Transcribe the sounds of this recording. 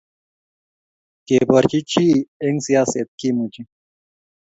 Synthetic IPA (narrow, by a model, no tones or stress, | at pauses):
kebɐɾt͡ɕit͡ɕʰieŋsijaːset̪̚kimũt͡ɕi